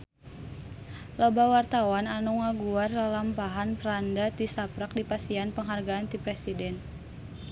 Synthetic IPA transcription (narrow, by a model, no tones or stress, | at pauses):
lɔbawart̪awananuŋaɡuarlalampaɦanpəɾandat̪isapɾak̚dipasianpəŋɦarɡaːnt̪ipɾɛsidɛn